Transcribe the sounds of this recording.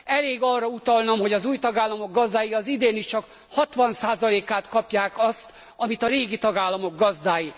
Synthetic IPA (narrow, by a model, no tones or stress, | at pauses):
ɛleːɡɒrːɒut̪ɒlnɒmɦo̞ɟɒzuːjt̪ɒɡaːlːɒmo̞ɡɡɒzd̪aːjiɒzid̪eːniʃt͡ʃɒk | hɒt̪ʋɒnsaːzɒleːkaːt̪kɒpjaːkɒst̪ | ɒmit̪ɒɾeːɡit̪ɒɡaːlːɒmo̞ɡ̚ɡɒzd̪aːji